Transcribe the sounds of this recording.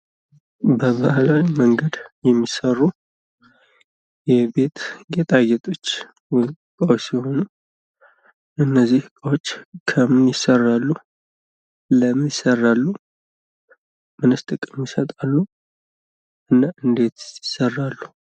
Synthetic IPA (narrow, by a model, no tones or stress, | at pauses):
bəβahlawiməŋɡəd̪jɛmːisərːu | jɛbe̞t̪ɡet̪ʼʰajɛt̪ʼo̞t͡ʃː | w | kʼawsiho̞nu | ʔɨnːəzːihkʼawo̞t͡ʃːkʰəmnjɪsːərːalːu | ləmisərːalːu | mɨnɨst̪ʼɨkʼɨmjɪsət̪ʼalːu | ʔɨnːaʔɨnd̪e̞t̪jɪsːərːalːu